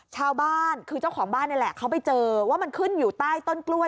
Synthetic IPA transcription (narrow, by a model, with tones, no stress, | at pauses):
t͡ɕʰaː˧wbaː˥˩nkʰɯː˧t͡ɕa˥˩wkʰɔː˩˦ŋbaː˥˩nːi˥˩lɛ˨˩kʰa˦˥wpa˧jt͡ɕɤː˧waː˥˩ma˧nkʰɯ˥˩njuː˨˩t̪aː˥˩jt̪o˥˩nklu˥˩ə